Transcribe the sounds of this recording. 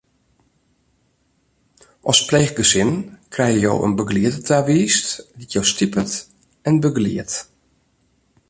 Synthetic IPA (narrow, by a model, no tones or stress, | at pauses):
ʔɔspleːxɡəsɪnkʰrɛjəjo̰wʔə̰nbəɡliətətʰaʋiːstʋitjowstipət | ɛnbəɡlḭət